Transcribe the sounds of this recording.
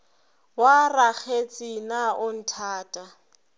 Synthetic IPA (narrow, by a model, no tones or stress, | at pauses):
warak͡xʰet͡sʼinaʊn̩tʰaːtʼa